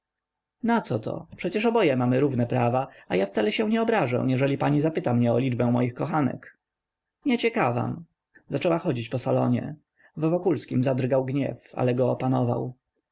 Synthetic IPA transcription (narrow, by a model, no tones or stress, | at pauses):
nat̪sɔt̪ʰɔ̰pʂɛt͡ɕɛʂɔbɔjɛmamɘɾuvnɛpɾavaajafsalɛɕɛ̃w̃ɲɛɔbɾaʐɛ̰̃w̃jɛʐɛlʲipaɲizapɘt̪amɲɛɔlʲid͡ʐbɛ̃mɔjixkɔxanɛ̰k | ɲɛt͡ɕɛkava̰m | zat͡ʂɛwaxɔd͡ʑit͡ɕpɔsalɔ̰ɲɛ̰ | vːɔkulskʲimzad̪rɡawɡɲɛ̰fa̰lɛɡɔːpanɔva̰w